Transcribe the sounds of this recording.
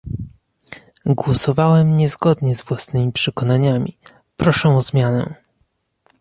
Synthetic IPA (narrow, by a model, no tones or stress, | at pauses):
ɡwɔsɔvawɛmɲɛzɡɔd̪ɲɛzvwasnɘmʲipʂɛkɔnaɲamʲḭ | pɾɔʂɛ̃ɔzmʲjanɛ̰